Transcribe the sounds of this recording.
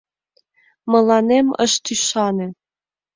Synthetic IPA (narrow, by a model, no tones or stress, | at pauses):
mɤ̆lɑnemə̰ʃt̪yʃɑne